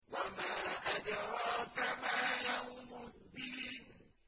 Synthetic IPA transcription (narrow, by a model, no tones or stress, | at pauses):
wamaːʔad͡ʒaɾɔkamajahumʊd̪iːn